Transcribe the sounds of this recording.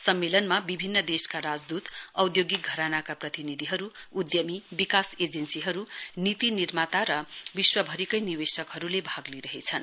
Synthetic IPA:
sʌmːelʌnmabibʱinːʌd̪eskaɾad͡zd̪ut̪ʌwd̪joɡiɡʱʌɾanakaprʌt̪inid̪ʱiɦʌɾuud̪jʌmibikased͡zensiɦʌɾunit̪inirmat̪aɾʌbiswʌbʱʌɾikʌjniwesʌkɦʌɾulebʱaɡliɾʌɦet͡sʰʌn

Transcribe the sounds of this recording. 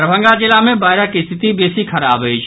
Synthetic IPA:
ɾəbʱə̃ŋɡad͡ʒɪlamẽbaːɪɾakist̪ʰɪt̪ibeːsikʰəɾaːbəit͡ʃʰ

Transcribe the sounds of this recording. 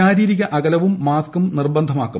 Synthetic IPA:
aːɾiːɾiɣɐʔɐɣɐlɐʋumːaːskumnirbɐnd̪ʱɐmaːkːu

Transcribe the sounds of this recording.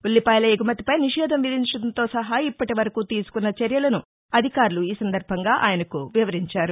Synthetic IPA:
ulːipaːjlɐeɡumɐt̪i̥pɐjniʂɛːd̪ʱɐmʋid̪ʱiɲt͡ʃɐɽɐnt̪o̞ːsɐɦɐipːɐʈiʋɐɾɐkuːt̪iːsu̥kunːɐt͡ʃɐɾjɐlɐnu | ɐd̪ʱikaːɾuluiːsɐnd̪ɐɾbʱɐŋɡaːʔa̰ːjɐnɐkuʋiʋɐɾiɲt͡ʃaːɾu

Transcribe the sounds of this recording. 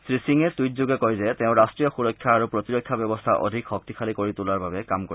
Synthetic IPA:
sɹisiŋet̪ujt̪d͡ʑoɡekɔjd͡ʑet̪eʊ̃ɾasʈɹijoxuɾɔkʰːjaaɾopɾot̪iɾokʰːjabɛbɔst̪ʰaʔɔ̰d̪ʱikxɔk̚t̪ikʰalikoɹit̪ulaɾbʱabekamko

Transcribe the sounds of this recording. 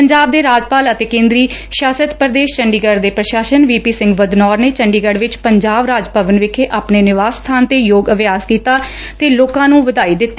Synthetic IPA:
pəɲd͡ʒaːb̚d̪eːɾaːd͡ʒpaːlət̪eːkẽːnd̪ɾiːʃjaːsət̪pəɾəd̪eːʃt͡ʃəɳɖiːɡəɾd̪eːpɾəʃaːʃənʋiːpiːsɪ̃ŋɡʋəd̪nɔːɾneːt͡ʃəɳɖiːɡəɽʋɪt͡ʃpəɲd͡ʒaːbɾaːd͡ʒpəʋənʋɪkʰeːʔaːpneːnɪʋaːst̪ʰaːnt̪eːjoːɡəʋjaːskiːt̪aː | t̪eːloːkãːnũːʋəd̪aːiːd̪ɪt̪ː

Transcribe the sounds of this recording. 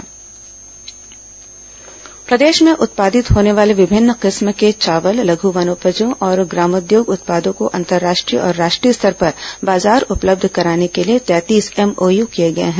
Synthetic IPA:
pɾɐd̪eːʃmẽʔʊt̪̚paːd̪ɪt̪ɦoːneʋaːleʋɪbʱɪnːqɪsmket͡ʃaːʋəllɐɡʱuʋɐnoːpəd͡ʒõʔɔːɾɡɾaːmʊd̪joːɡʊt̪̚paːd̪õkoʔɐ̃nt̪əɾːaːʃʈɾḭɔ̰ːɾːaːʃʈɾiːəst̪ʰəɾpɐɾbaːzaːɾʊpləb̚d̪ʱkɐɾaːnekeliet̪ɛːt̪iːsɛmoːjukijeɡɐḛɦɛ̃ː

